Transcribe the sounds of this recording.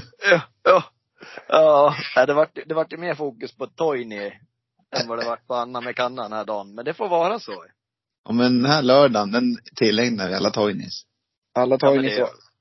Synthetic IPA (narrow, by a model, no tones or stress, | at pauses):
jɑːjɑː | jɑːnɛɪd̪ɛvaʈːjd̪ɛvaʈːjɵmeːɾfuːkɵspʰɔt̪ʰɔjnɪ | ɛnvaɖɛvaʈːpʰɔanːamɛkʰanːad̪ɛnhæːɖɑːnmɛnd̪ɛfoːɾvɑːɾasoː | ʔɔ̰mɛnd̪ɛnhæːɭœːɖand̪ɛnt̪ʰɪlːɛŋnaʋɪa̰lːat̪ʰɔjnɪ̰s | ʔalːat̪ʰɔjnɪ